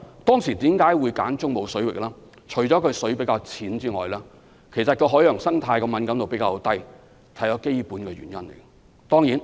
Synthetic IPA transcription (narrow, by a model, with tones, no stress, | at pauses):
t̪ɔː˥ŋsi˨˩t̪iː˨˥mkaː˨˥jwu˨˧jkaː˨˥nt͡sʊ˥ŋmo˨˧wsɵ˨˥ɥwɪ̰˨k̚laː˥ | t͡ʃʰɵ˨˩ɥt͡sɔː˨˥kʰɵ˨˧ɥsɵ˨˥pe˨˥kaː˧wt͡sʰiː˨˥nt͡siː˥ŋɔː˨˩jlaː˥ | kʰe˨˩jsɐ˨t̚kʰɵ˧ɦɔː˨˥jœː˨˩ŋsɐ˥ŋt̪ʰaː˧jkɔ˧mɐ˨˥nkɐ˨˥mt̪o˨wpe˨˥jkaː˧t̪ɐ˥j | t̪ʰɐ˨˥jt͡ʃɔː˨˥ke˥jpuː˨˥nkɛː˧ɥy̰˨˩njɐ˥nle˨˩j | t̪ɔː˥ŋjiː˨˥n